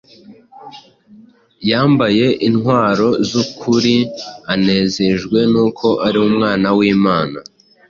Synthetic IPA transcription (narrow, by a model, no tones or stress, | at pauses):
jaːmbaje̞ʔinhwaːɾo̞zukʰuɾiane̞ːze̞ʒɡwe̞nuːkʰo̞ʔaɾiumŋaːnawiːmaːna